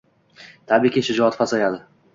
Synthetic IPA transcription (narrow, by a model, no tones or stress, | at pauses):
t̪ʰabikʲiʃʊd͡ʒɒat̪fasajalɪ